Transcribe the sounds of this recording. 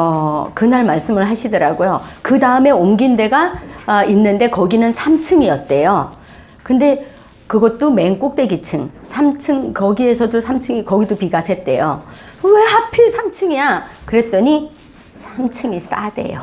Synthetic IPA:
ʌkɯnaɭmaɭs͈ɯmɯɭɦaɕʰidʌɾaɡojokɯdaɯme̞omɡinde̞ɡainːɯnde̞kʌɡinɯnsʰamt͡ɕʰɯŋiʌt̚t͈e̞jo | kɯnde̞ | kɯɡʌt̚t͈ome̞nk͈ok̚t͈e̞ɡit͡ɕʰɯŋsʰamt͡ɕʰɯŋkʌɡie̞sʰʌdosʰamt͡ɕʰɯŋikʌɡidopiɡasʰe̞t̚t͈e̞̰jowe̞hapʰiɭsʰamt͡ɕʰɯŋijakɯɾe̞t̚t͈ʌɲi | sʰamt͡ɕʰɯŋis͈a̰de̞̰jo̰

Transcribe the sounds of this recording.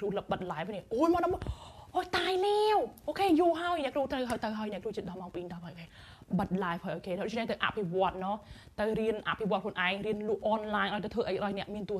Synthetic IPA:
kruələp̚ɓət̪̚laːpʰoniəʔoːlmɔːnaməʔoːjt̪aːjlɛwʔoːkʰeːjuːɦaəjnɛ̆ʔkruːht̪rəwɦaəjt̪əwɦaəjnɛ̆əkrut͡ɕiət̪ɗɑmawpiːɲɗɑːpʰajkeː | ɓət̪̚laːjpʰəːjʔəjkeːɗɗʊ̰t͡ɕʰnɛht̪əwʔa̰ʔpʰiʋoət̪̚nɔː | t̪əwriənʔa̰ʔpʰiʋoɔət̪kʰlŭənʔaɛŋriənluəʔʔɑnlaːjɲʔaɔjt̪ɔt̪ʰʋəːʔəjkəʔɗɑːnɛ̆əʔmiənt̪uə

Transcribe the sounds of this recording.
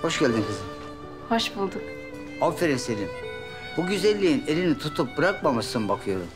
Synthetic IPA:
ho̞ʃɟælʲd̪imkʰɯzɯ | hoʃbulˠd̪uk | afeɾinselim | b̥uɟyzɛlʲːiinelʲinit̪ʰut̪ʰup̚bɯɾak̚mamasɯnbakʰɯjo̞ɾum

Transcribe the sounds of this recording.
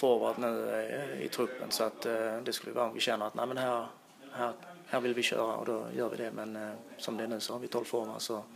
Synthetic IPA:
foːʋɑt̪nʉːɪ̰t̪ʰɾʉpːə̰nsɔɑt̪d̪ɛskʉlːəjʊʋæ̰ːɾʊmʋɪɕɛnːəɾɑt̪næ̰ɪmɛnhæːɾ | hæːʁhæːɾʋɪlʋɪɕø̰ːɾə̰ɔ̰d̪oːjøːɾʋɪ̰d̪ɛmɛnsɔmd̪ɛɛnʉːsɔhɑɾʋɪt̪ʰɔlfɔːʁʋɑ̰sɔ

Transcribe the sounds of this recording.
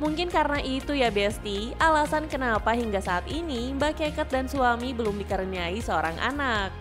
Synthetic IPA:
muŋkɪnkaɾənaʔit̪ujabɛst̪ialasankənapaɦiŋɡasaːt̪inibakekat̪̚dansuamibəlʊmdikaɾəniaisəoɾaŋʔa̰nak̚

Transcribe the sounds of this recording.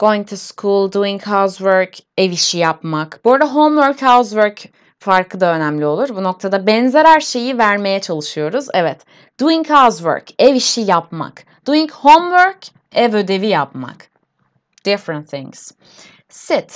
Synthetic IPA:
ɡ̥ojint̪ʰuskʰulˠd̪uiŋkhawzvøɾke̞viʃijapmakboɾd̪aɦomvøɾkhawzvøɾc | faɾkʰˠɯd̪aø̞næmlʲio̞lˠuɾbuno̞k̚t̪ʰad̪abɛnzeɾhæɾʃe̞jivæɾme̞jɛt͡ʃʰalˠɯʃɯjo̞ɾuzɛ̰vɛt̪ | d̪̥uiŋkhazvø̰ɾkeviʃijapma̰k | d̪̥uiŋkhomvøɾk | ɛvød̪e̞vijapma̰k | d̪̥ɪfɾənt̪θḭ̃ŋs | sit̪

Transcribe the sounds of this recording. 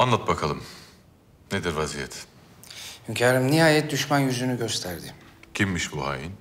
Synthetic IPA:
anlˠat̪̚bakʰalˠɯm | ned̪iɾvazijɛt̪ʰ | hymcʰaːɾɯmnihaːjɛt̪̚d̪yʃmanjyzynyɟø̞st̪ʰæɾd̪ɪcʰimːiʃbuha̰ːjin

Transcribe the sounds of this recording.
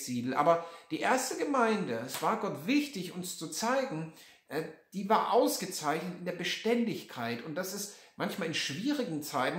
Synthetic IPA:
z̥iːdl̩ʔa̰ːbɐd̥iːʔeːɐstəɡəmaɪndəɛsv̥aːɐɡɔtv̥ɪçtɪçʊnst͡sut͡saɪɡŋ̩ | ʔɛːd̥iːvaːɐʔaʊsɡ̥ət͡saɪçnətɪndeːɐbəʃtɛndɪçkʰaɪtʊnt̚d̥asɪstmʔançmaːlɪnʃv̥iːʁɪɡŋ̩t͡saɪtn̩

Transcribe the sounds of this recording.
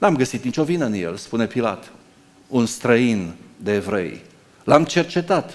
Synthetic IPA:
namɡəsit̪nit͡ʃo̞vinəɨnjḛlspune̞pila̰t̪ | unst̪ɾəind̪e̞ːvɾḛj | lamt͡ʃe̞rt͡ʃe̞t̪at̪

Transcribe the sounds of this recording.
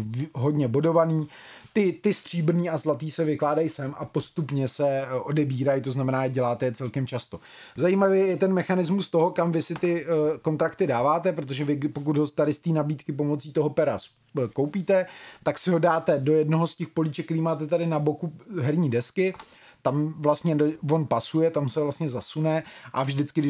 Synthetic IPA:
ɦo̞dɲɛbodo̞vaniː | t̪ɪt̪ɪst̪r̝̥iːbɾ̩niːazlat̪iːsɛvɪklaːdajsɛmʔapo̞st̪upɲɛsɛʔo̞dɛbiːɾajt̪o̞znamɛnaːjɛɟɛlaːt̪ɛjɛt͡sɛlkɛmt͡ʃast̪o̞ | zajimavɛːjɛt̪ɛnmɛxanɪzmust̪o̞ɦo̞kamvɪsɪt̪ɪko̞nt̪ɾakt̪ɪdaːvaːt̪ɛpɾot̪̬oʒɛvɪɡpo̞k̬ut̪ɦot̪adɪst̪iːnabiːt̪kɪp̬o̞mo̞t͡siːt̪o̞ɦo̞pɛɾa̰s | kowpiːt̪ɛt̪aksɪɦo̞daːt̪ɛdo̞jɛdno̞ɦoscɛxpo̞lit͡ʃɛkɾiːmaːt̪ɛt̪adɪnabo̞kuɦɛɾɲiːdɛskɪ | t̪amvlast̪ɲɛdovo̞npasujɛt̪amsɛvlast̪ɲɛzasunɛʔavʒdɪt͡skɪdɪ

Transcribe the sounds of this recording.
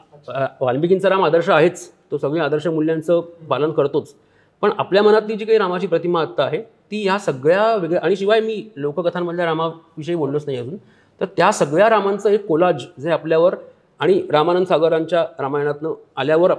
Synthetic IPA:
ʋalmpikint͡səɾamad̪əɾɕəaɦet͡st̪osəɡɭĩːad̪əɾɕəmuljãnt͡səpalənkəɾt̪ot͡s | pəɳapljamənat̪liːd͡ʑiːkaɦiːɾamat͡ɕiːpɾət̪imaːt̪ːaːɦet̪iːjasəɡɭjaʋeɡɭəʔaɽ̃iɕiʋajmiːlokəkət̪ʰamːəd̪ʱljaɾamaʋiɕ̬əiːboɽləsnaɦiəd͡zuːn | t̪əɾt̪jasəɡɭjaɾamant͡səːekːolad͡ʑd͡zeapljaʋəɾ | aɽ̃iɾamanənd̪saɡəɾaɲt͡ɕjaɾamajəɳ̃at̪nəaljaʋəɾ

